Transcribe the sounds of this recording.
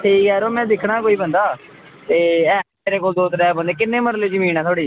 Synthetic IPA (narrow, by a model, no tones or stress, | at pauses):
ʈʰiːkɦɛːɾoːmɛ̃ːd̪ɪkʰɽaːkoːiːbənd̪aː | t̪eːɛː | eːɾeːkoːld̪oːt̪ɾɛːbə̃nd̪eːkɪnːẽːməɾleːd͡ʒəmĩːnaːt̪ʰoːɽiː